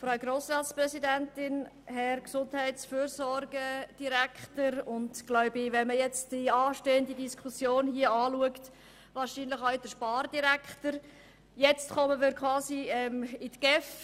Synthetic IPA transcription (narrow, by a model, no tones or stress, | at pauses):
fɾaʊɡɾoːsrɑːtsprɛsidæntɪnhɛɾksʊnthɛɪtsfyːɾsɔɾɡəd̥iɾækχtəɾʊndɡ̥laʊbɪvɛnməjɛt͡std̥iɑːʃteːəndidiskʰusjoːnhiəɑːluəkt | vɑːɾʃiːnlɪχaʊd̥əʃpɑːrdiɾæktəɾ | jɛt͡stkɔməmɪːɾkʰwɑːsiɛːmɪtɡ̥ɛf